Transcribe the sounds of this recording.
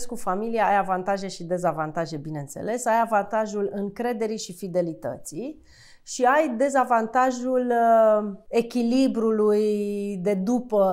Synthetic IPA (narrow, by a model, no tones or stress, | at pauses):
skufamilijaajavant̪aʒe̞ʃid̪e̞zavant̪aʒe̞bine̞ɨnt̪se̞̰le̞sajavant̪aʒulɨŋkɾe̞d̪e̞ɾiʃifid̪e̞lit̪ə̰t̪si | ʃiajd̪e̞zavant̪aʒul | e̞kʲilibɾulujd̪e̞d̪upə